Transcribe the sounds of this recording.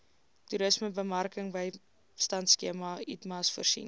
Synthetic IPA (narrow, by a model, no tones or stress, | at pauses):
tuɾəsməbəmɐrkəŋbəj | stɐntskiəmɐitmɐsfə̰rsḭn